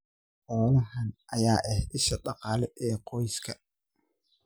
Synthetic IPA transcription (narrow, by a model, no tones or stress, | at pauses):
ʔɔːlɐhɐnʔɐjaːʔɛhɪʃɐɗɑqɑːlɛʔɛːqɔjskʰɐ